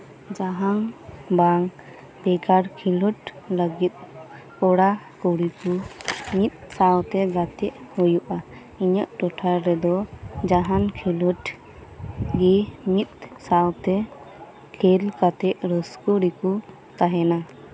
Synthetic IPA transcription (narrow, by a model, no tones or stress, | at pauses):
d͡ʒaɦaŋbaŋ | bɛɡaɾkʰiluʈ | ləɡit̪̚ | ɔɽa | kɔɽikumit̪̚sawt̪ɛɡat̪ɛʔhɔjuʔa | iɲəʔʈɔʈʰaɾɾɛd̪ɔd͡ʒaɦankʰiluʈ | ɡɛmit̪̚sawt̪ɛ | kʰɛlkat̪ɛʔɾəskɔɽiku | t̪aɦɛna